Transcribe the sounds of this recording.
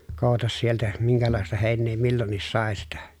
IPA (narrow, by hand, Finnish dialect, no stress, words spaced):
kou̞tɑs sieltæ miŋkælɑˑestɑ heˑinˑeː milːonːis sɑˑe sitæ